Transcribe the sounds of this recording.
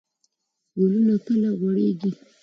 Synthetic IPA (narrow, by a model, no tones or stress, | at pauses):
ɡolunapəlaɣwaɽeɡi